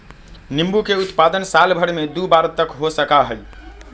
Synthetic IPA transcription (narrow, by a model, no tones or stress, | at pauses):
nimbukeut̪pad̪ənsalbʱəɽmed̪ubaɾt̪ːəkɦosəkaɦəj